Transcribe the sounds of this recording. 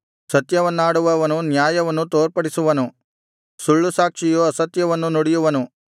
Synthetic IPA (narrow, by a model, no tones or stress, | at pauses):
sɐt̪jɐʋɐnːaːɽuʋɐʋɐnunjaːjɐʋɐnːut̪oːɾpɐɽisuʋɐnu | suɭːusaːkʂijuɐsɐt̪jɐʋɐnːunoɽijuʋɐnu